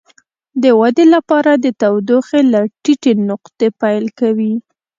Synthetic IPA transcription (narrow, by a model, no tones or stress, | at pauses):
d̪əwad̪elapɑɾad̪ət̪awd̪oxelaʈiʈenʊqt̪epajlkawi